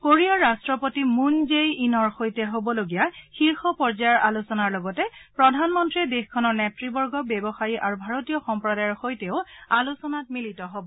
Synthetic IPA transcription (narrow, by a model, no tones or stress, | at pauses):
koɹiɔɹastɹɔpotimunzejinɔɹxojtɛɦobɔloɡijaxiɹxɔpɔɹzajɔɹʔalusɔnaɹlɔɡɔtɛpɹɔdʱanmɔntɹidexkʰɔnɔɹnɛtɹibɔɹɡɔbebɔxajiʔaɹubʱaɹotijɔxɔmpɹɔdajɔɹxojtɛʊalusɔnat̚militɔɦobɔ